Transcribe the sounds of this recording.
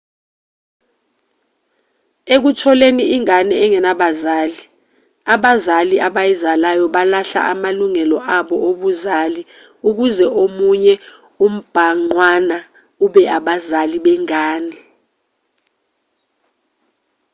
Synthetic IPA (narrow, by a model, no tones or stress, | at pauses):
ek̬utʰɔleniiŋanɛːŋɛnaɓazaːli | aɓazaliʔaɓajizalajɔɓalaɬa̰ʔamaluŋɛlɔʔaɓɔʔoɓuzali | uk̬uzɛʔomuɲɛ | um̩b̥ʱaŋ͡ǀwana | uɓɛaɓazaliɓɛŋaːnɛ